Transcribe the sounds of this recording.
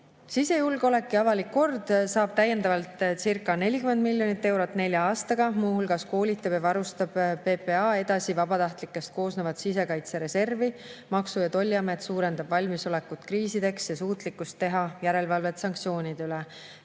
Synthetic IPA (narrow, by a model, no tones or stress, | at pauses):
sise̞julɡo̞le̞kːˑiɑvɑlikːo̞rd̪̥sɑːb̥t̪æjːe̞nd̪ɑvɑlt̪ˑsirkːˑɑne̞lʲikyme̞nd̪̚milʲːjo̞nit̪ːe̞wɾo̞t̪ːˑne̞lʲjɑɑːst̪ɑɡ̥ɑmuːhulɡ̥ɑsko̞ːlʲit̪ːˑɑb̥jɑvɑɾust̪ɑb̥ːe̞pe̞ɑe̞d̪̥ɑsivɑb̥ɑt̪ɑht̪likːˑe̞st̪̚ko̞ːsnevɑt̪sise̞kɑjt̪seɾe̞se̞rvimɑksujɑt̪o̞lʲːiɑmet̪suːɾend̪ɑb̥vɑlʲmiso̞le̞kːut̪kriːsid̪e̞ksjɑsuːt̪likːˑust̪ːe̞ɦɑjæɾe̞lvɑlve̞t̪sɑŋk̚t̪sijo̞ːnʲid̪̥yleɛ